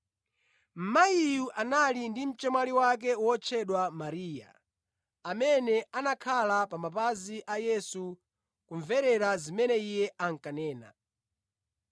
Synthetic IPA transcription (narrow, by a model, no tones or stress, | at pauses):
m̩maijuʔanalindim̩t͡ʃɛmwaliwak̬ɛwɔt͡ʃʰɛɗwamaɾiːja̰ | amɛnɛanakʰalapamapaziʔajɛsu | kuɱvɛɾɛɾazimɛnɛijɛʔaŋ̩kanɛːna̰